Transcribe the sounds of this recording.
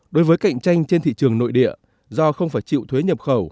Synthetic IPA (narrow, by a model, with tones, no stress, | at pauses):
ɗo˨˦jvəː˨˦jka̰˧˨jŋ̟t͡ɕa˧jŋ̟t͡ɕe˧nt̪ʰḭ˧˨t͡ɕɨ˨˩əŋno̰˧˨jɗḭ˧˨ə | zɔ˧xə˧wŋ͡mfaː˧˩jt͡ɕḭ˧˨wt̪ʰwe˨˦ɲə˨˩p̚xə˧˩w